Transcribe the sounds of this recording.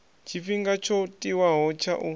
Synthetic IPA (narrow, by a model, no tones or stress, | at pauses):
t͡ʃʰifiŋɡat͡ʃʰɔtʼiwaɦɔt͡ʃʰaʔu